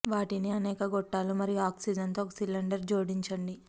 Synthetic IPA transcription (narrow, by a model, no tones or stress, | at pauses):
ʋaːʈiniɐnɛːkɐɡɔʈːaːlumɐɾijaːksid͡ʒɐnt̪oːkɐsilːɐɳɖɐɾd͡ʒoːɽiɲt͡ʃɐɳɖi